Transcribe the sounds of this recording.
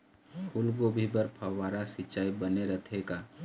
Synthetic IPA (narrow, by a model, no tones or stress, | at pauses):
kʰulɡobʱibəɾpʰəwaːɾasɪt͡ʃaːibəneɾət̪ʰeka